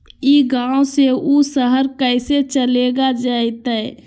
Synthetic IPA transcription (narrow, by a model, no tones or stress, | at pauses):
iɡãːoseusəɦəɾkəɪset͡ʃəleːɡad͡ʒaːit̪aɦɛ